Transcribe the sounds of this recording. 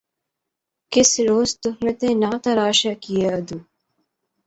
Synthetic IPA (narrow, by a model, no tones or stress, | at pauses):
kɪsɾoːzt̪ʊɦmẽt̪ẽːnaːt̪ɐɾaːʃaːkijeɐd̪uː